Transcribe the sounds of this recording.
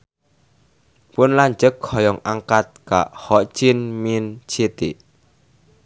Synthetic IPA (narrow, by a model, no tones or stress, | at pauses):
pʊnlaɲd͡ʒəkhɔjɔŋaŋkat̪̚ka̰ʔhɔ̥t͡ʃɪnmint͡ʃʰet̪iʔ